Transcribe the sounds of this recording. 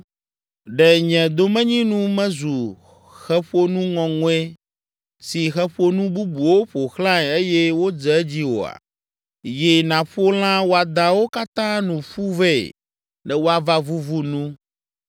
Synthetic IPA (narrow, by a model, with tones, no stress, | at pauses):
ɖɛ˨ɲɛ̃˨d̪o˦mɛ̃˦ɲĩ˦nũ˦mɛ̃˦zu˨ | xɛ˦ɸo˦nũ˦ŋɔ̃˨ŋɔ̃˦e˦ | si˨xɛ˦ɸo˦nũ˦bu˦bu˨wo˦ɸo˨xlã˦˨e˦jɛ˦wo˦d͡zɛ˨˦d͡ʑi˦wo̰˨a̰˨ | je˨nã˨ɸo˦l̃ã˦wo˦a˨d̪a˨wo˦ka˦t̪ã˦nũ˨ɸu˦vɛ̰˦˨ | nɛ̃˨wo˦a˦va˦vu˦vu˦nũ˦